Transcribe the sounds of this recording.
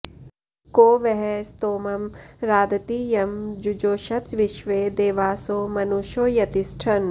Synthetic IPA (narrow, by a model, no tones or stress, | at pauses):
koːʋɛɦɛst̪oːmɐmɾaːd̪ɐt̪iːjɐmd͡ʒud͡ʒoːʃɐt̪ʋɪʃʋeːd̪eːʋaːsoːmɐnuʃoːjɐt̪isʈʰɐn